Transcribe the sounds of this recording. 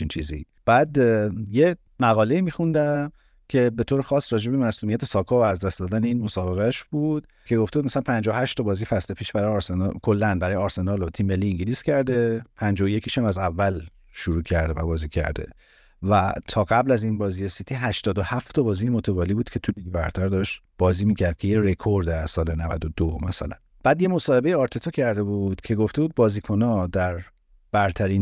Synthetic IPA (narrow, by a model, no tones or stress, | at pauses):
int͡ʃʰiːzḭ | b̥æːd̪je | mæɣɒːle̞iːmixund̪æm | cʰe̞be̞t̪ʰoːɾexɒːsɾɒːd͡ʒe̞bemæsluːmijæt̪ʰesɒːkʰɒvæzd̪æst̪d̪ɒːd̪æneiːnmosɒːbe̞ɣæʃb̥uːd̪̥ | cʰe̞ɡo̞ft̪eud̪mæsælænpʰænd͡ʒɒohæʃt̪ːɒbɒːzifæsle̞pʰiːʃbæɾɒjːɾsenɒ̰kʰo̞lːænbæɾɒːjeɒːɾse̞nɒːlot̪ʰimeliːŋɟiliːscʰæɾd̪epʰænd͡ʒɒːjoje̞cʰiʃæmæzævːæl | ʃuɾuːcʰæɾd̪evæbɒːziːcʰæ̰ɾd̪e̞̰ | væt̪ʰɒːɣæblæzinbɒːzijesit̪ʰiɦæʃt̪ɒːd̪ohæft̪ʰɒbɒːzijemot̪ʰevɒːlibuːd̪̥kcʰe̞t̪ʰuliɡbæɾt̪ʰæɾd̪ɒːʃt̪ | b̥ɒːziːmiːcʰæɾd̪̥̚cʰe̞jeɾekʰoɾd̪æsɒːlenævæ̰d̪od̪omæsæ̰læ̰n | b̥æːd̪je̞mo̞sɒːhe̞be̞jeɒːɾt̪ʰet̪ʰɒːcʰæɾd̪ebud̪̥cʰe̞ɡo̞ft̪e̞buːd̪̚bɒːziːkʰo̞nɒːd̪æɾ | b̥æɾt̪ʰæɾiːn